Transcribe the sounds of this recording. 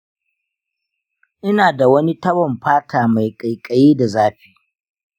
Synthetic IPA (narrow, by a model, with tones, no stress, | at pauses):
ʔɪ˦naː˨da˨wɐ˦ni˦tɐ˦bɔ˨mɸaː˦tʰaː˨ma˨jkʼa˨jkʼɐ˨jiː˦da˨zaː˦ɸiː˨